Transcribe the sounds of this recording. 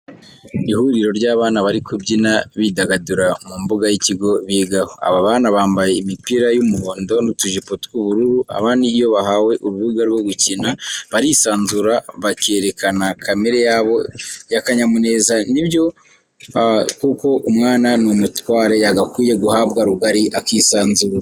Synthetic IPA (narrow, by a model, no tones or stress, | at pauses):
ihuɾiɾo̞ɾɟaːβaːnaβaɾikʰobɟinaβidaɡaduɾamumbuɡajiciɡo̞βiːɡahoa̰βaβaːnaβaːmbaje̞imipiɾajumuhoːndo̞nutuʒipotu̥kuβuɾuɾua̰βaːndiːjo̞βaɦawe̞ʔuɾuβuɡaɾɡwoɡucinaβaɾisaːnzuɾaβake̞ɾe̞kʰanakʰameɾejaβo̞jakaɲamune̞ːzanibjo̞ | kuko̞ʔumŋaːnanumutwaːɾe̞jaɡakwiːje̞ɡuhaβɡaɾuɡaɾiʔakisaːnzuɾa